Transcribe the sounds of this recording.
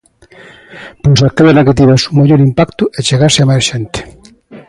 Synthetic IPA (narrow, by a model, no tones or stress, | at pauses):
pojsakeðeɾaket̪̬iβesumaʎoɾimpakt̪ʊet͡ʃeɣaɾsɪamasʃent̪e̥